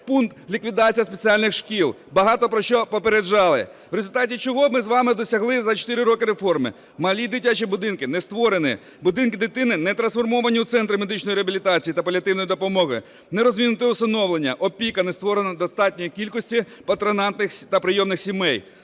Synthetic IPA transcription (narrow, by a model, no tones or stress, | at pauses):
punt̪lʲikʋʲid̪ɑt͡sʲijɐspet͡sʲialʲnɪxʃkʲilˠ | bɐɦɑt̪ɔpɾɔʃt͡ʃɔpɔpeɾed͡ʒɑlˠɪ̰ʋɾezʊlʲt̪ɑtʲit͡ʃɔɦɔmɪzʋɑmɪd̪ɔsʲɐɦlˠɪzɐt͡ʃɔ̥t̪ɪɾɪɾɔkɪɾefɔrmɪ̰ | mɐlʲid̪ɪtʲat͡ʃibʊd̪ɪnkɪnɛst̪ʋɔɾenɪ | bʊd̪ɪnkɪd̪ɪt̪ɪnɪnɛt̪ɾɐnsfɔrmɔʋɐnʲiwt̪sɛnt̪ɾɪmed̪ɪt͡ʃnɔjiɾeɐbʲilʲit̪ɑt͡sʲijit̪ɐpɔlʲɐt̪ɪwnɔjid̪ɔpɔmɔɦɪ | nɛɾɔzʲʋʲinʊt̪ɪust̪ɐnɔʋlˠenʲːɐʔɔpʲikɐnɛst̪ʋɔɾenɐd̪ɔst̪ɑtʲnʲɔjikʲilʲkɔsʲtʲi | pɐt̪ɾenɑnt̪nɪxt̪ɐpɾɪjɔmnɪxsʲimɛj